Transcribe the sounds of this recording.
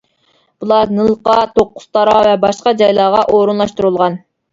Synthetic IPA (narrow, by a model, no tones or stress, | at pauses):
b̥ulˠɑnɨlˠqɑt̪ʰoqːʊ̥st̪ɑɾɑvɛbɑʃqɑd͡ʒɑjlˠɑːʁɑʔoɾunlˠɑʃt̪uɾulˠʁɑn